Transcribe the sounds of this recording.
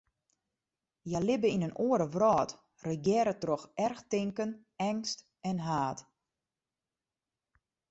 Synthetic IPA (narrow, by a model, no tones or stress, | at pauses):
jalɪbəinənʔoəɾəʋrɔːt | rəɡjɛːɾətroxʔɛrxtɪŋkən | ɛŋst | ɛnɦaːt